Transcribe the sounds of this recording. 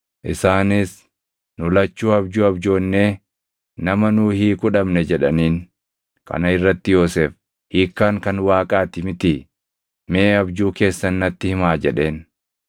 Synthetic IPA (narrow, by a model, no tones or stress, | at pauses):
ʔɪsaːnɪs | nʊlɐt͡ʃːuːɐbd͡ʒuːɐbd͡ʒo̞ːnːe̞ː | nɐmɐnuːhiːkʼʊᶑɐmnɛd͡ʒɛᶑɐniːn | kɐ̰nɐɪrːɐt̪ːɪjoːseːf | hiːkːaːŋkɐnwaːkʼaːt̪ɪmɪt̪ɪ | meːɐbd͡ʒuːke̞ːsːɐnːɐt̪ːɪhɪmaːd͡ʒɛᶑe̞ːn